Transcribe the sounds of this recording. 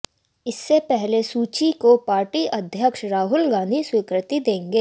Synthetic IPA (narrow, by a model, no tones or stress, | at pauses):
ɪsːepɛɦlesuːt͡ʃikopaːɾʈiʔɐd̪ʱjəkʃɾaːɦʊlɡãːnd̪ʱiswɪkɾɪt̪id̪ẽːŋɡeː